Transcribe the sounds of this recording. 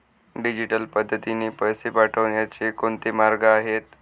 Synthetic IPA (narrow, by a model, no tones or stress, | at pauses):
ɖid͡ʑiʈəlpəd̪ʱːət̪ineːpəjsepaʈʰəʋɳjat͡ɕekoɳt̪emaɾɡəaɦet̪̚